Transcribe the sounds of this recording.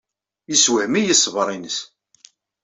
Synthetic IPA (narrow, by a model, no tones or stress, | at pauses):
jəswəhmijəsːvɾˤinəs